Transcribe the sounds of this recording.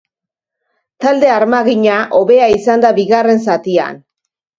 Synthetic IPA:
t̪ald̪e̞aɾmaɣiɲaʔo̞βe̞aisand̪aβiɣare̞ns̬at̪ia̰n

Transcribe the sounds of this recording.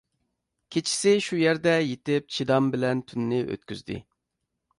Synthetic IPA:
kʲʰet͡ʃʰi̥sɪʃujæɾd̪ɛjet̪ɪp̚t͡ʃʰid̪ɑmbɪlɛnt̪ʰynːɪʔø̰t̪kʲyzd̪ɪ̰

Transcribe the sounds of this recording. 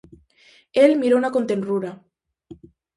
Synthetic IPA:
elmiɾonako̞nt̪enruɾa

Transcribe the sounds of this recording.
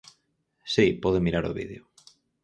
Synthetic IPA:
sipɔðemiɾaɾo̰βiðeo

